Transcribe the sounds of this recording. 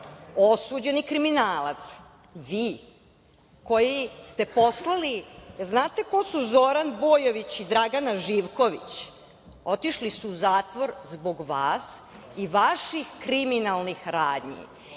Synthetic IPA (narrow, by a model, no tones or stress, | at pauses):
o̞suːd͡ʑe̞nikɾiminaːlat̪s | ʋiː | ko̞jist̪eposlˠalijeznaːt̪eko̞suzo̞ɾanboːjoʋit͡ɕid̪ɾaɡanaʒiːʋko̞ʋḭt͡ɕ | o̞t̪iʃlisuːzaːt̪ʋo̞ɾzbo̞ɡʋaːs | iʋaʃixkɾiminalˠnixɾaːd̪ɲḭ